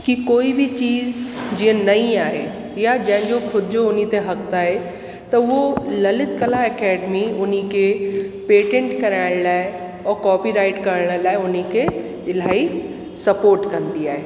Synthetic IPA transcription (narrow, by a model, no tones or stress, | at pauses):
kikoːibʱɪt͡ɕiːzd͡ʑiːə̃nɐĩaːɦe | jad͡ʑɐ̃ɦɪ̃ɲd͡ʑokʰʊd͡ʑʊnit̪eɦɐkt̪aːɦe | t̪ɐʊɦolɐlɪt̪kɐlaɛkɛːɖmiʊnikʰepeːʈẽɳʈkɐɾaːɪɽ̃laːɪ | ɔːɾkɔːpiɾaːɪʈkɐɾəɽ̃ə̆laːɪʊnikʰe | ɪlaːi | sɐpoːɾʈkɐ̃nd̪iaːɦeː